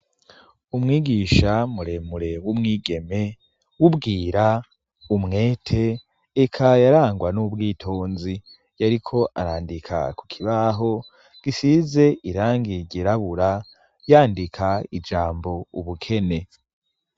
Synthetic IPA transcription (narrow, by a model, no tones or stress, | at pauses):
umŋiːɡiːʃamuɾe̞muɾewumŋiːɡe̞me̞ | wubɡiːɾa | umŋe̞ːtʰe̞ː | kʰajaɾaːŋɡwanubɡiːtʰoːnzi | jaɾikʰo̞ʔa̰ɾaːndikʰa̰ku̥kʰiβaɦo̞ | ɡ̥isize̞ʔiɾaːŋɡiɟiɾaβuɾa | jaːndikʰaid͡ʒaːmbo̞uβukʰe̞ne̞